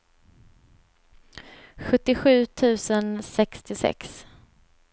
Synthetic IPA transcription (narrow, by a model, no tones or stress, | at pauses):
ɧɵt̪ːɪɧʉ̟ːt̪ʰʉ̟ːsənsɛkst̪ɪsɛ̰ks